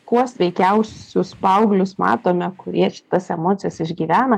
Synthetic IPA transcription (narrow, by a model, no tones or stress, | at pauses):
kuɔsʋʲɛɪkʲɛʊsʲʊspɐʊɡlʲʊsmɑ̰ːt̪oːmʲɛkʊɾʲiɛʃʲɪ̥t̪ɐsɛmoːt̪ʲɪjɛsɪʒʲɡʲiːʋʲæːnɐ